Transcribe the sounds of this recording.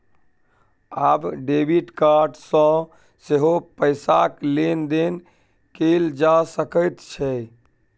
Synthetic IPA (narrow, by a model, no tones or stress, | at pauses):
abɖebiʈkaɾɖsə̃ | seɦopəɪsaklend̪en | keld͡ʒasəkəjt̪t͡ʃʰɛ